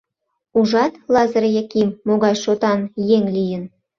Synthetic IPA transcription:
uʒɑt̪lɑzɤɾjekimːoɣɑjʃot̪ɑnjeŋlʲijə̆n

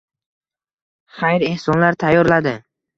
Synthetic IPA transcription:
χajɾe̞hsɒnlaɾt̪ʰajːɒɾlad̪ɪ

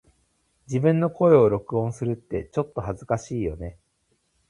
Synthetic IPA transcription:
d͡ʑibɯ̟̃nːo̞ko̞e̞o̞ɾo̞kɯ̟õ̞ɰ̃sɨɾɯ̟t̪ːe̞t͡ɕo̞t̪ːo̞hazɨkaɕiːjo̞ne̞

